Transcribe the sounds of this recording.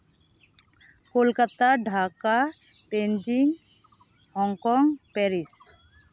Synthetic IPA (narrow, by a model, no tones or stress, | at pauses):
kolkat̪aɖʱaka | pend͡ʒiŋ | hɔŋkɔŋpɛɾis